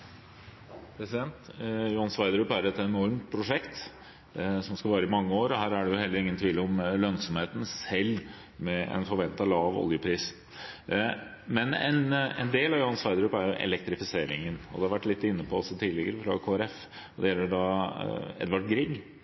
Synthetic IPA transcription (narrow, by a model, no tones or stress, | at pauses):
pʰɾɛsɪd̪ɛnt̪jʊhɑnsʋɑɪd̪ɾʉpæɾɛt̪ɛnɔɾmt̪̚pʰɾʊʂɛkt̪ | sɔmskɑʋɑːɾəɪmɑŋːəoːɾɔhæːɾæɖɛjʊhɛlːəɾɪŋːənt̪ʰʋiːləɔmlœnsɔmheːt̪n̩sɛlː | mɛɛ̰nfɔɾʋɛnt̪ɑlɑːʋɔ̰ljəpʰɾiːs | mɛnɛ̰nɛ̰nd̪eːlɑʋjʊhɑnsʋɑɪd̪ɾʉpæɾjʊʔɛ̰lɛk̚t̪ɾɪfɪseːɾɪ̰ŋənɔ̰d̪ɛhɑɾʋæʈːlɪt̪ːɪnːəpʰɔɔsɔt̪ʰiːlɪɡəɾəfɾɑkʰoːæɾɛf | d̪ɛjɛlːəɖɑ | ɛ̰d̪ʋɑʈɡɾɪɡ